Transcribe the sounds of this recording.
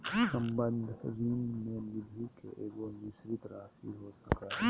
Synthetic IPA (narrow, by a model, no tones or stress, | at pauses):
səmbə̃nd̪ʱɾiːnmẽmɪd̪ʱikḛʔeːɡonɪʃɾɪt̪ɾaːsḭɦosəkaː